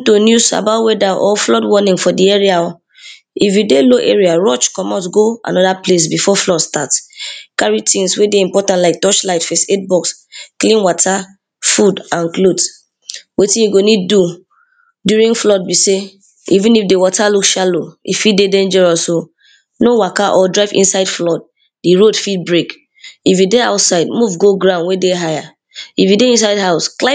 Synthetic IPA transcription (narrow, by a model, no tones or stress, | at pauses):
tonjusa̰baʊtwɛdaʔɔ̰flɔdwɔnĩŋfɔdiɛɹiaɔ | ifjudeloʔeɹiaɹɔt͡ʃkɔmat̬ɡoã̰nɔdaples̬bifɔflɔdstatkaɹitʰĩnswedeĩmpɔtãntlaɪk̚tɔt͡ʃlaɪtfeset̚bɔks | klĩnwɔtʰa | fudãnklod | wetĩjuɡonid̚ːu | djuɹĩŋflɔt̚bise | ivĩnifdewɔtalukʃaloḭfitdedɛ̃nd͡ʒɛɹɔsso | nowakaʔɔdɹaɪvḭ̃nsaɪdflɔd̚ | diɹodfit̚bɹek | ifjudeaʊtsaɪdmuvɡoɡɹãʊ̃nwedeɦaja | ifjideĩns̬aɪdɦaʊskla